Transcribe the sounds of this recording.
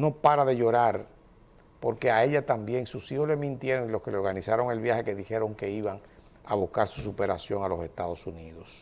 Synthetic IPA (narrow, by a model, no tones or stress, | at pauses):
no̞paɾaðe̞ʝo̞ɾaɾ | po̞ɾke̞ae̞ʎat̪ambje̞ŋsusiho̞sle̞mĩnt̪je̞ɾoŋilo̞ske̞leo̞ɾɣanisaɾo̞ŋe̞lβjahe̞ke̞ðixe̞ɾo̞ŋke̞iβaŋ | aβuhkaɾsusupe̞ɾasjo̞ŋalo̞se̞st̪aðo̞suniðo̞s